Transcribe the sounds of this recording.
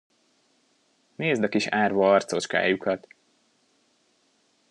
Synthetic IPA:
neːzd̪ɒkiʃaːrvɒɒrt̪so̞t͡ʃka̰ːjukʰɒt̪

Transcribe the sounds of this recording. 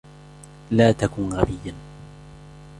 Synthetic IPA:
laːt̪akʊnɣabɪjːa

